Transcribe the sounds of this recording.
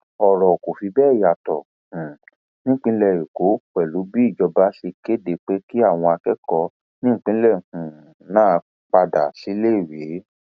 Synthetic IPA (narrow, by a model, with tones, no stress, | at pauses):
ɔ˨ɾɔ˨ko˨fi˨˧˦bɛː˦˨ja˨tɔ˨ | hũ˨ | nĩ˦k͡pĩ˦lɛ˦˨ɾi˨ko˨˦k͡pɛ˨lu˨˦bi˦i˦˨d͡ʒɔ˧ba˦ʃe˧ke˦de˧˨k͡pe˦ki˦a˦˨w̃ɔ̃˧a˧kɛ˦kɔ˧ | nĩ˦˨k͡pĩ˦lɛ˦˨hũ˨ | nãː˦˨˦ | k͡pa˧da̰˨si˨˦le˦˨we˨˦